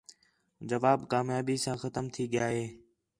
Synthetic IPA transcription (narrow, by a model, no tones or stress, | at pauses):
d͡ʒəʋaːbkaːmjaːbiːsãːxət̪əmt̪ʰiːɠɪjaːɦeː